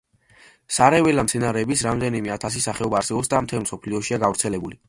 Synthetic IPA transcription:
saɾɛvɛlamt̪sʰɛnaɾɛːbisɾamd̪ɛnimɛat̪ʰas̬isaχɛɔbaːɾsɛbɔps̬d̪amt̪ʰɛlmsɔpʰliɔʃiaɡavɾt̪sʰɛlɛbuli

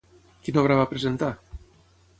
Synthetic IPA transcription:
kinoβɾaβapɾezent̪a

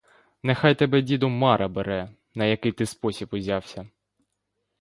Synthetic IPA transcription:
nexɑjt̪ɛbɛdʲid̪ʊmɑɾɐbɛɾɛ | nɐjɐkɪjt̪ɪspɔsʲipʊzʲɑwsʲɐ

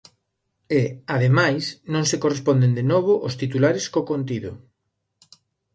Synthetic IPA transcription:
eaðemajsnõŋsekorespond̪end̪enoβoʔost̪it̪ulaɾeskokont̪̬iðo

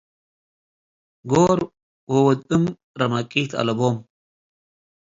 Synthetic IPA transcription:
ɡoːɾ | wowɐd̪ɨm | ɾɐmakʼiːt̪ʰɐ̰lɐboːm

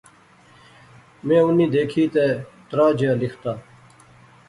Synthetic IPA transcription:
mẽːuniːd̪eːkʰiːt̪eːʈ̪ɾaːd͡ʑeːlixt̪aː

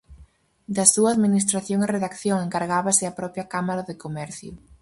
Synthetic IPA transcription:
d̪ɐsuaːðminis̬t̪ɾaθjoŋereðakθjoŋeŋkaɾɣaβasɪɐpɾɔpjɐkamaɾaðɪkomɛɾθjʊ

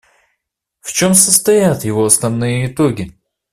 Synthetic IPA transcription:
ft͡ɕo̞msəst̪ɐjat̪jɪvo̞ɐsnɐvnɨjəɪt̪o̞ɡʲɪ

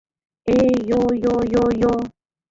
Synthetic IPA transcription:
ejojojojo

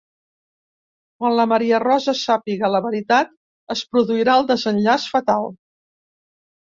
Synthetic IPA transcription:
kwanləməɾiərɔzəsapiɣələβəɾit̪at̪̚ | əspɾuðuiɾaəlˠd̪əzənʎasfət̪alˠ

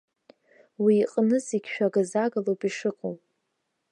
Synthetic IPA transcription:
wiːqʼnɨzikʲʰʃᶣaɡazaɡalowpʼiʂɨqʼowpʼ

